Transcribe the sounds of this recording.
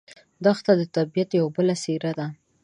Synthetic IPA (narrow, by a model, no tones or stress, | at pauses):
d̪ɑxt̪ad̪ət̪abijat̪jawbəlaseɾad̪a